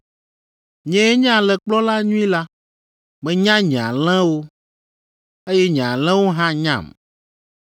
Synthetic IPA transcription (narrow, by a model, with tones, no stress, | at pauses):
ɲɛ̃˨e˦ɲ̃˦ã˨lɛ˨k͡plɔ˦la˦ɲũ˦ĩ˦la˦ | bɛ˦ɲã˦ɲɛ̃˨ã˨lɛ̃˦wo˦ | e˦jɛ˦ɲ̃˨a˨lɛ̃˦wo˦ɦã˦ɲã̰˨m